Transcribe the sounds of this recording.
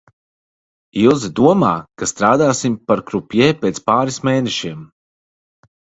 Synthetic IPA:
ilˠzid̪uɔmaːkast̪ɾaːd̪aːsimpaɾkɾupjɛːpeːt̪spaːɾismeːnɛʃiɛm

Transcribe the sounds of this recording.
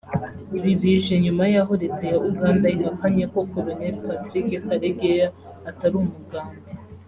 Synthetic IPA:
iβiβiʒe̞ɲumajaɦoɾetejaʔuɡaːndaiɾakaɲeko̞kolonelpatɾikekaɾeɡejaː | taɾumuɡaːndi

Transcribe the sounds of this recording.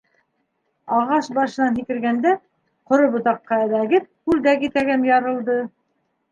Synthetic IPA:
ɑʁɑʃbɑʃɤ̆nɑnɦikɘ̆ɾɡænd̪æ | qŏɾobŏt̪ɑqːɑæβæɡɘp̪̚kʉld̪ækit̪æɡænjɑɾɤ̆lˠd̪ɤ

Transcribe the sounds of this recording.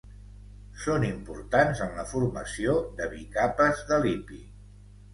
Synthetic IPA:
sonimpuɾt̪anzənləfurməsioðəβikapəzðəlipi

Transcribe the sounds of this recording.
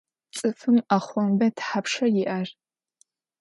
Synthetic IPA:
t͡sʼɨfɨmaχʷɔmbɐtʰħapʂɐjɪʔɐr

